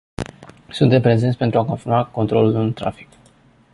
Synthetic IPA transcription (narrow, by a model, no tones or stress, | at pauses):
sunt̪e̞mpɾe̞zent̪sʲpent̪ɾuako̞nt̪iɾnuako̞nt̪ɾo̞̰lulunt̪ɾa̰fi̥k